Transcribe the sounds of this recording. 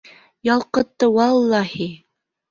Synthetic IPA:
jɑlˠqɤ̆t̪ːɤwɑlˠːɑhi

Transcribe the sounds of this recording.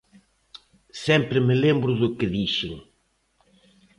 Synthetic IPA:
sẽmpɾɪmɪlẽmbɾʊðʊkɪðiʃʊŋ

